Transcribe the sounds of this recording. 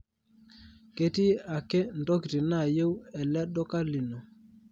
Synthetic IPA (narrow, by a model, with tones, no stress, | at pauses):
ke˦ti˦a˨ke˦ndɔ˦ki˨tɪ˨na˦˨je˦wɛ˨lɛ˦ɗɔ˦ka˦li˨no˨